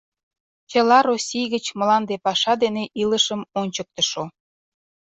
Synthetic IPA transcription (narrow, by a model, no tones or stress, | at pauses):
t͡ɕəlɑɾosʲijɣət͡ɕməlɑnd̪epɑʃɑd̪eneʔiləʃəmonʲt͡ɕək̚t̪əʃo